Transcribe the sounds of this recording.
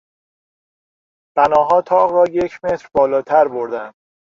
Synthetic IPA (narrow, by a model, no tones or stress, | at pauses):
b̥ænɒːɦɒːt̪ʰɒːʁrɒːje̞cʰme̞t̪ɾbɒːlɒːt̪ʰæɾbo̞ɾd̪ænd̪̥